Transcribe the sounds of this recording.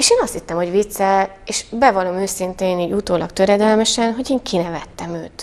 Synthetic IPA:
eːʃeːnɒst̪hit̪ːɛmho̞ɟvit̪sːɛl | eːʃbɛvɒlo̞møːsint̪eːniːɟut̪oːlɒ̰kt̪øɾɛd̪ɛlmɛʃɛnɦo̞ɟeːŋkʰinɛvɛt̪ːɛmøːt̪

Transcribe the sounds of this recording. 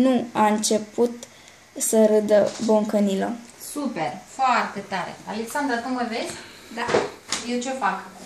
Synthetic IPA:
nuaɨnt͡ʃe̞put̪ | səɾɨd̪əboŋkəniləsuperfoart̪e̞t̪aɾḛaleksand̪ɾakunməvezʲ | d̪ajewt͡ʃefak

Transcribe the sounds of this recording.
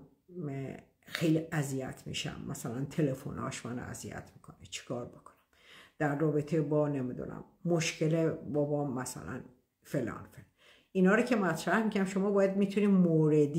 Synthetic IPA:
xejliæzijæ̰t̪ʰmḭːʃæ̰mːæsælænt̪ʰelefo̰nɒ̰ːʃmæno̰æ̰zijæ̰t̪ʰmi̥kʰonit͡ʃʰi̥kʰɒːɾbokʰo̥næ̥m | d̪̥æɾːɒːbet̪ʰebɒːnemid̪ṵnæ̰mːoʃcʰelebɒbɒːmæsæ̰læ̰n | felɒ̰ːnfel | inhɒːɾocʰemæt̪ʰɾæhmikʰæmʃo̞mɒːbɒːjæd̪mit̪ʰuniːmoːɾed̪

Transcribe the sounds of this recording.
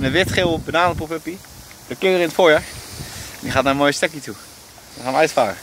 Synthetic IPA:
nəʋɪtχɪlˠbənaːməpupəpi | dəkɪəɾɪnətfoːɹjaːɹ | ndiχaːtnaːənmoːjəstøkiətu | əχaːnʋœɥtfaːɾə

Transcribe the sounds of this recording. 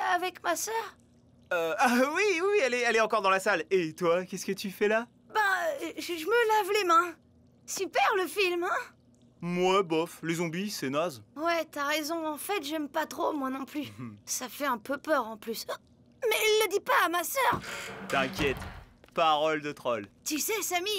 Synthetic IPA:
avɛkmasœːʁ | øawiwiwiɛlɛɛlɛɑ̃kɔʁd̪ɑ̃lasalet̪wakʲɛskət̪yfɛla | bãʒəʒəməlavlemɛ̃ | sypɛʁləfilmɛ̃ | mwabɔflezɔ̃bisɛnazwɛt̪yaʁezɔ̃ɑ̃fɛt̪ʒɛmpat̪χomwanɔ̃plysafɛɛ̃pøpœʁɑ̃plys | mɛːlːəd̪ipaːmasœːʁt̪ɛ̃kʲjɛt̪ | paʁɔld̪ət̪χɔlt̪ysɛsami

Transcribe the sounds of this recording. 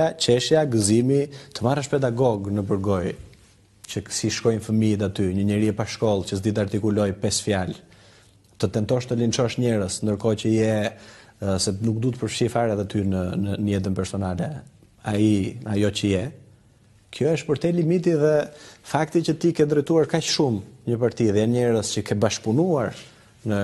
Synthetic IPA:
at͡ʃɛʃjaɡəzimit̪əmarəʃpɛd̪aɡɔɡnəbəɾɡɔj | t͡ʃəksiʃkɔjnfəmiɛt̪̬at̪yɲəɲəɾiɛpaʃkɔlˠcəsd̪it̪aɾt̪ikulɔjpɛsfjal | t̪ət̪ɛnt̪ɔʃt̪əlint͡ʃɔʃɲɛɾəsnd̪əɾkɔcəjɛ | sɛnuk̚d̪ut̪əpəɾfʃiɾfaɾɛt̪at̪ynənənjɛt̪̬ənpɛɾsɔnalɛ | a̰iajɔcəjɛ | kʰjɔɛʃpəɾt̪ɛlimit̪̬iðɛfakt̪icət̪ikɛnd̪ɾəjt̪uaɾkaʃʃumɲəpaɾt̪iðɛjanɲɛɾəscəkʰɛbaʃpunuaɾ | nə

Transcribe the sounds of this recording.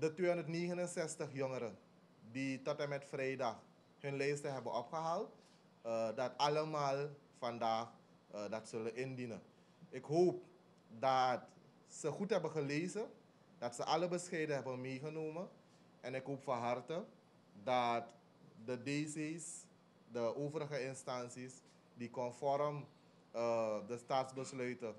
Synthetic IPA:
dətʋeːɔndərtneːɣənənsɛstəχjɔŋəɾə | ditɔtɛnmɛtfrɛjdɑx | ɦɵnlɛjstəɦɛbənʔɔpχəɦaːlˠt | dɑtɑləmaːlˠ | fɑndaːχ | dɑtsɵləʔɪndinə̰ | ɪkɦoːp̚ | dɑt | səχutɦɛbəχəleːzə | dɑtsəʔɑləbəsxɛjdəɦɛbənmeːχənoːmə | ʔɛnɪkɦoːpfɑɦɑrtə | dɑt | dədeːsejs | dəʔoːvəɾəχəɪnstɑnsis | dikɔnfɔɾəm | dəstaːtsbəslœɥtə

